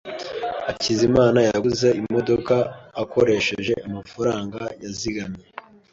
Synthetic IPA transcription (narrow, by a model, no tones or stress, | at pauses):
acizimaːnajauze̞imo̞do̞kaːko̞ɾe̞ʃe̞̰ʒe̞ʔumafaɾaːŋɡajaziɡamɲe